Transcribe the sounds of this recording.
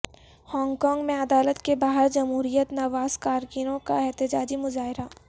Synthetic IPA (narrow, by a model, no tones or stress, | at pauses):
hɔ̃ːŋɡkɔːŋɡmẽɐd̪aːlət̪kebaːɦəɾd͡ʒɐmɦuːɾijət̪nɐʋaːzkaːɾɡinõka̰ɛɦt̪ɪd͡ʒaːd͡ʒimʊzaːɦɪɾa